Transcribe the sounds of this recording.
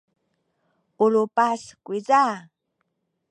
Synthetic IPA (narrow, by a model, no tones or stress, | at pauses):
ulupaskʷiza